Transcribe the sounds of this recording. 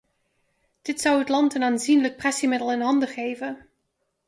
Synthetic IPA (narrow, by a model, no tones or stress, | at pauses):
d̥ɪtsʌwɦətlɑntənaːnzinlək̚prɛsimɪdəlˠɪnɦɑndəχejvən